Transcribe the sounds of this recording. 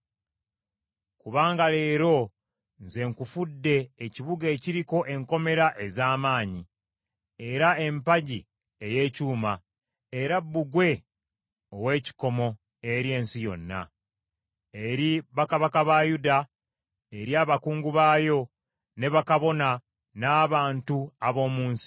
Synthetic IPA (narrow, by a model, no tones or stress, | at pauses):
kuβaːŋɡale̞ːɾo̞ | nze̞ŋkufudːe̞ːciβuɡe̞ːciɾiko̞ʔe̞ŋko̞me̞ɾaʔe̞zaːmaːɲi | eɾae̞mpaɟi | eje̞ːcuːma | eɾabːuɡwe̞ | o̞we̞ːci̥ko̞mo̞ | e̞ɾje̞ːnsijo̞nːa̰ | e̞ɾiβakaβakaβajuda | eɾiaːβakuːŋɡuβaːjo̞ | ne̞βakaβo̞na | naːβaːntuaβo̞ːmuːnsi̥